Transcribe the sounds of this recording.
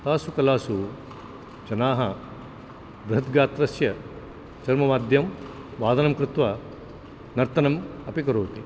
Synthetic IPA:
t̪aːsukɐlaːsu | t͡ʃɐnaːɦɐ | bɾɐɦɐt̪̚ɡaːt̪ɾɐsjɐ | t͡ʃɐɾmɐmaːd̪ʱjɐm | ʋaːd̪ɐnɐmkɾɪt̪ʋɐ | nɐɾt̪ɐnɐmɐpikɐɾoːt̪i

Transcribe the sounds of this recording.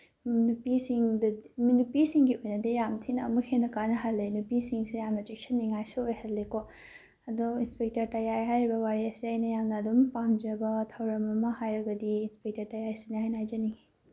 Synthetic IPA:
nupisiŋdɐminupisiŋɡiojnɐdɐjamt̪ʰinɐːmuhʰenɐkanɐɦalenupisiŋsijamnɐd͡ʒek̚sʰɐnːiŋajsuojhɐllːeko | ɐdoinspek̚tɐɾtajajɦajɾibɐwaɾiasiajnɐjamnɐːdumpamd͡ʒɐbɐtʰɐwɾɐmɐmɐhajɾɐɡɐdiːnspek̚tɐɾtajajsinajnajd͡ʒɐniŋ

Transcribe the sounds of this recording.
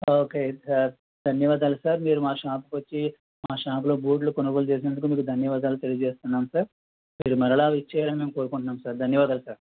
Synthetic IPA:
oːkeːsaːɾ | d̪ʱɐnjɐʋaːd̪aːlusaːɾmiːɾumaːʂaːpukʋɐt͡ʃːi | maːʂaːp̬lobʱuːʈ̬lukɔnɐɡoːlut͡ʃeːs̬inɐnd̪ukumiːkud̪ʱɐnjɐʋaːd̪aːlut̪e̞lijɐd͡ʒeːst̪unːaːmsaːɾ | miːɾumɐɾɐɭaːʋit͡ʃːɛːɾɐnmeːmkoːɾukuɳʈunːaːmsaːɾd̪ʱɐnjɐʋaːd̪aːlusaːɾ

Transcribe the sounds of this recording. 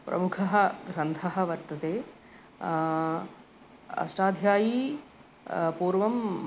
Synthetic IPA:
pɾɐ̰mukʰɐɦɐ̆ɡɾɐnd̪ʱɐɦɐ̆ʋɐɾt̪ɐt̪eː | ɐ̰sʈaːd̪ʱjaːji | puːɾʋɐm

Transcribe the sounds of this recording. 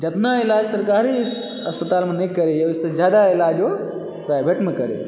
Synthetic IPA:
d͡ʒət̪nailaːd͡ʒsəɾkaːɾisʈ | ɐspət̪aːlmenekəɾejosəd͡ʒjaːd̪ailaːd͡ʒo | pɾaːjbʱeʈmekəɾḛ

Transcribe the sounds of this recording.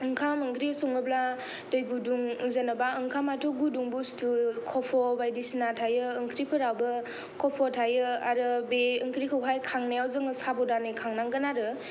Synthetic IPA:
ɯŋkʰamɯŋkʰɾisɔŋɯbla | dɯjɡuduŋzanabaɯŋkʰamatʰuɡuduŋbustʰukʰɔpʰɔbajdisnatʰajɯɯŋkʰɾipʰɯɾawbɯ | kʰɔpʰɔtʰajɯaɾɯbeɯŋkʰɾikʰəwɦajkʰaŋnajawzɯŋɯsabɔdanɯkʰaŋnaŋɡənaɾɯ

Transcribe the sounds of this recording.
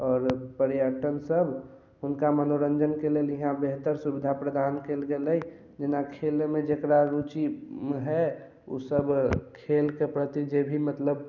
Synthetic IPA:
ɔːɾpəɾjəʈənsəbʱ | ɦʊnkamənoɾənd͡ʒənkeleliɦãbeɦt̪əɾsubɪd̪ʱapɾəd̪aːnkelɡeləj | d͡ʒɪnakʰelmẽd͡ʒekɾaɾut͡ʃiɦɛ | ṵsəbkʰelkepɾət̪id͡ʒebʱimət̪ləb

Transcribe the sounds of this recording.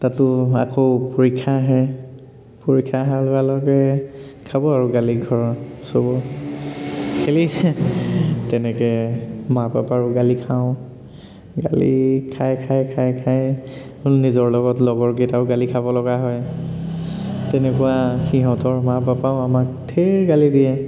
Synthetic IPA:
tatʊa̰kʰoʊpoɹikʰːaɦɛ | poɹikʰːaɦaɹlɔɡalɔɡɛkʰabɔaɹuɡaliɡʱɔɹɔsobɔ | kʰeli | tɛnɛkɛmapapaɹʊɡalikʰaʊ̃ | ɡa̰lḭkʰajkʰajkʰajkʰaj | ʊnnizɔɹlɔɡɔtlɔɡɔɹɡetaʊɡalikʰabɔlɔɡaɦɔj | tɛnɛkʊwaxiɦɔtɔɹmapapaʊamak̚tʰeɹɡalidiɛ

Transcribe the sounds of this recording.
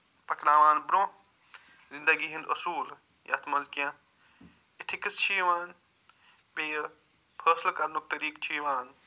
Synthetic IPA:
pɐknaːʋaːnbɾõː | zind̪ɐɡiɦĩnd̪ɐsuːl | jʔɐ̰t̪ʰmɐzkjã | it̪ʰikist͡ʃʰiːʋaːn | peːj | pʰɐːslkɐɾnuk̚t̪ɐɾiːkt͡ʃʰiːʋaːn

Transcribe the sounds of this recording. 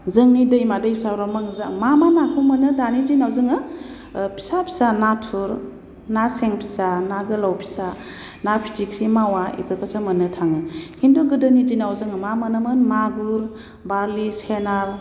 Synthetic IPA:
zɯŋnidɯjmadɯjpʰisawɾamaŋzamamanakʰumɯnɯdanidinawzɯŋɯ | pʰi̥sapʰi̥sanatʰuɾ | naseŋpʰi̥sanaɡɯlawpʰi̥sa | napʰi̥tʰikʰɾimawaḭpʰɾikʰasɯmɯnɯtʰaŋɯkʰinduɡɯdɯnidinawzɯŋɯmamanɯmɯnmaɡuɾ | baɾlisenaɾ

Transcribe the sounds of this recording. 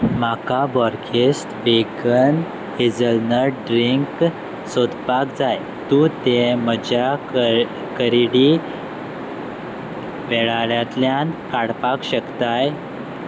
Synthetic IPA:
m̤akabɔɾkʰesʈbeɡən | ed͡zəlnəɖɾiŋk | sod̪ʱpakd͡zaj | t̪ũt̪em̤əd͡ʑa | kəɾiɽi | ʋeɭaɭjat̪ljankaɽpakɕəkt̪aj

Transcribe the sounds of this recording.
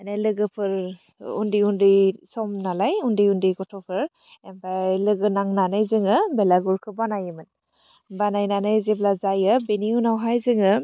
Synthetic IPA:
najlɯɡɯpʰɯɹ | ṵndiundisɔmnalajundiundiɡɔtʰɔpʰɯɹ | ɛmpalɯɡɯnaŋnanajzɯŋɯbɛlaɡuɹkʰɯbanajɯmɯn | banajnanajzeblazajɯbeniunawɦajzɯŋɯ

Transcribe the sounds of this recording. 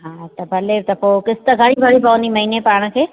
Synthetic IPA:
ɦãːt̪ɐbʱɐlet̪ɐpoːkɪst̪əɡʱɐɽ̃ĩbʱɐɽibɐʋnimɐɦiːnepaːɽ̃kʰeː

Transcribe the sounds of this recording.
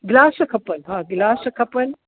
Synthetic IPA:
ɡlaːsɐkʰɐpəlɦãːɡlaːsɐkʰɐpəl

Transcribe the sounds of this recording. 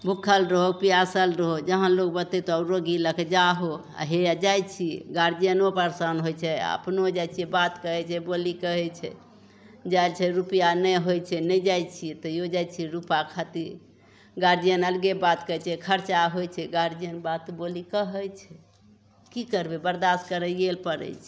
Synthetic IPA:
bʱukʰəlɾəɦopiasəlɾəɦod͡ʒəɦənlok̚bət̪ɛt̪oəɾoɡiləkd͡ʒaɦoa̰ɦead͡ʒajt͡ʃʰiɡaɾd͡ʒijənopəɾsənɦojt͡ʃʰɛə̰pnod͡ʒajt͡ʃʰibat̪kəɦɛt͡ʃʰɛbolikəɦɛt͡ʃʰɛ̰ | d͡ʒajlt͡ʃʰɛɾupijanəɦojt͡ʃʰɛnəjd͡ʒajt͡ʃʰiɛt̪ɔjod͡ʒajt͡ʃʰiɾupakʰat̪iɾ | ɡaɾd͡ʒijənəlɡebat̪kəɛt͡ʃʰɛkʰəɾt͡ʃaɦojt͡ʃʰɛɡaɾd͡ʒijənbat̪bolikəɦəjt͡ʃʰɛ | kikəɾbebəɾd̪askəɾəɡelpəɾə̰jt͡ʃʰi

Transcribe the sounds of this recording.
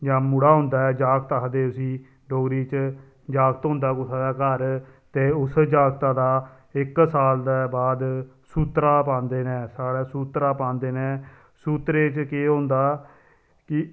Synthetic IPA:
d͡ʒãːmʊɽaːɦʊ̃nd̪aːɛːd͡ʒaːɡt̪aːd̪eːʊsĩː | ɖoːɡɾiːt͡ʃ | d͡ʒaːɡt̪ɦʊ̃nd̪aːkʊsaːdaːkəɾt̪eːʊsd͡ʒaːɡt̪ãːd̪aː | ɪksaːld̪aːbaːd̪ | suːt̪ɾaːpãːnd̪eːnɛːsaːɽaːsuːt̪ɾaːpãːnd̪eːnɛː | suːt̪ɾeːt͡ʃkeːɦõːnd̪aː | kɪ

